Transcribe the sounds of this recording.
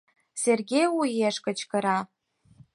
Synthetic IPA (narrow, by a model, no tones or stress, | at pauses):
serɡʲejujeʃkə̆t͡ɕkə̆ɾɑ